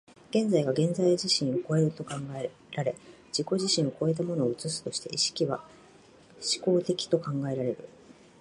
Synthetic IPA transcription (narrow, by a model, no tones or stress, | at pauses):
ɡ̥ẽ̞nd͡zaiɡaɡẽ̞nd͡zaiʑiɕĩɰ̃oko̞e̞ɾɯ̟t̪o̞kãŋɡae | ɾaɾe̞ | d͡ʑiko̞ʑiɕĩɰ̃oko̞e̞t̪̬amo̞no̞ːɯ̟t͡sɨsɨ̥t̪o̞ɕi̥t̪e̞ʔiɕi̥kʲiβa | ɕi̥ko̞ːt̪e̞kʲi̥t̪o̞kãŋɡae̞ɾaɾe̞ɾɯ̟